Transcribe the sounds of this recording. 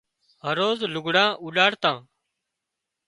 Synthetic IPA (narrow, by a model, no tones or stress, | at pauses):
ɦəɾoːzlʊɡʱɽãːʔuːɗaːɽt̪ãː